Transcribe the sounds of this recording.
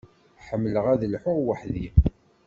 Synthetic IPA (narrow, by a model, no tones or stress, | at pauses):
ħəmːləʁæðəlħʊʁwəħði